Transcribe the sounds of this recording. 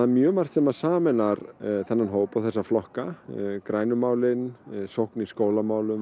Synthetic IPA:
amjœːmar̥t̪sɛmaðsaːmɛnaɾθɛnːanɦoːwpawθɛsːaflɔhkakɾaːjnʏmaːwlɪnsowhkniskoːwlamaːwlʏm

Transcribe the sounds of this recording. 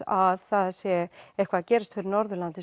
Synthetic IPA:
aðθaðsjɛɛhkvaðcɛːɾɪst̪fɪɾɪɾnɔɾðʏɾlant̪ɪs

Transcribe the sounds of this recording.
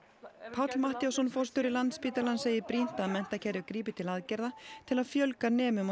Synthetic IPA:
pʰat̪lmaht̪jawsɔnfɔr̥st̪ʏɾɪlant̪spiːt̪alanseːjɪpɾin̥t̪aðmɛn̥t̪acʰɛɾjʏkɾiːpɪt̪ʰɪlaðcɛɾðat̪ʰɪlaðfjœlkanɛːmʏma

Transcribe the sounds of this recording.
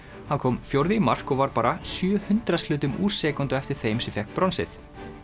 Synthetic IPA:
hankʰɔːmfjowɾðɪimar̥kɔɣvaɾpaːɾasjœːhʏnt̪ɾaslʏːt̪ʏmuːɾ̥sɛːkunt̪ʏɛft̪ɪɾ̥θejmsɛfjɛhknpɾɔnsɪ̰θ

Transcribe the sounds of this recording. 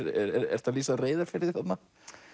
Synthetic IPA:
ɾɛ̰ɾɛ̰ɾɛ̰ɾ̥t̪ʰalisareːjðaɾ̥fɪɾɪɾθat̪na

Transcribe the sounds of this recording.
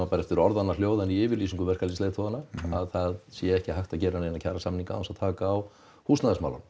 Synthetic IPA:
apaɾɛft̪ɪɾɔɾðanːaljoːwðaniɪːvɪɾliːsiŋkʏvɛr̥kalislejt̪ʰoðanaaðθaðsjɛɛhcɪɦajht̪aðcɛːɾanejnacʰaːɾasamniŋka̰wasaðt̪ʰaːkaːw | husnaðɛsma̰wla̰n

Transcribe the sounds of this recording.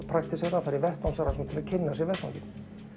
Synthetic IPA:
pʰɾak̚t̪ɪsɛt̪afaɾivɛht̪awmsaɾasɛmt̪ʰɪlaðcʰɪnːasɛɾvɛrht̪a̰wmcɪn

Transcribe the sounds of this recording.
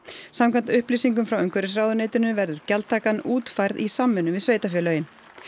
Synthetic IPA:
samkʰant̪ʏhpliːsiŋk̬ʏmfɾawœŋkʰvɛɾɪs̬raːwðʏneːjt̪ɪɾɪnʏvɛɾðʏɾ̥calt̪ʰːaːkanuːt̪fajɾðisamːɛnʏmvɪðsveːjt̪afjɛːlœːɥjɪn

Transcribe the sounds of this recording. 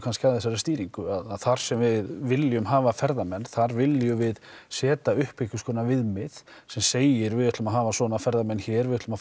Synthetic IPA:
kʰanscavðθɛs̬aɾɛst̪iːɾiŋkʏaðaðθaɾ̥sɛmvɪðvɪljʏmɦaːvafɛɾðamɛnːθaɾvɪlːjʏvɪðsɛːt̪aʏhpɪhkʏskʰɔːnavɪðmɪðsɛmseːjɪɾvɪðʏht̪lʏmaɦaːvasɔːnafɛɾðamɛnːçɛɾvɪðʏht̪ʏma

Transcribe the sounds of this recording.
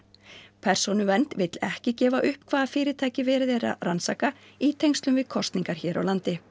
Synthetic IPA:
pʰɛr̥sɔnʏvɛnt̪vɪt̪lɛhcɪcɛːvaʔʏhpkʰvaːðafɪːɾɪt̪ʰaːjcɪvɛːɾɪðɛːɾa̰ransa̰ːka | it̪ʰejŋst̪lʏmvɪðkʰɔst̪niŋkaɾ̥çɛːɾa̰wlant̪ɪ

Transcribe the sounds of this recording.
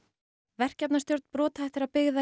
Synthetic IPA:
vɛr̥cɛpnast̪jowɾt̪n̥pɾɔːt̪aɛht̪ɪɾaðpɪɣða

